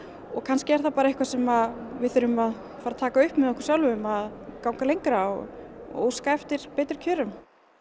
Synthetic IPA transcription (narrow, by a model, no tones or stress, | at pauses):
ɔɣkʰanscɪɛɾ̥θapaːɾaehkvasɛmaðvɪðθʏɾʏmað | faːɾat̪ʰaːkaʏhpmɛðɔhkʏɾ̥sjawlvʏmaðkawŋkalejŋkɾaɣo̰ːwskaɛft̪ɪɾ̥peːjt̪ɾ̥cʰœːɾʏm